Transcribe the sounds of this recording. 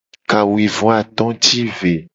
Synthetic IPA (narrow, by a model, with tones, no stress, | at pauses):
ka˨wi˨vɔ̃˨˦a˨t̪ɔ̃˦t̪i˦ve˨